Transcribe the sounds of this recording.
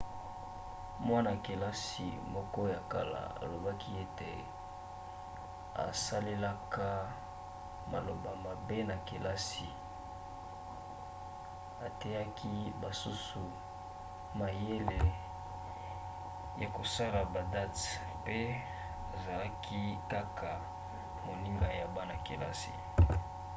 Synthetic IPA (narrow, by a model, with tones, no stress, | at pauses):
mwa˦na˨ke˨la˦sḭ˨mɔ˦kɔ˦ja˨ka˦la̰˨a̰˨lo˨ba˦kʰi˦e˦tḛ˨ | a̰˨sa˦le˦la˦ka˦ | ma̰˨lo˨ba˨ma˨be˦na˨ke˨la˦si˨ | a˨te˦ja˦ki˦ba˨su˦su˨ | ma˨je˦le˨ | ja˨ko˨sa˦la˨ba˨da˦t | pe˦ | a˨za˨la˦kʰi˦ka˦kʰa˨ | mo˨li˦ŋɡa˨ja˨ba˦na˨kḛ˨la̰˦sḭ˨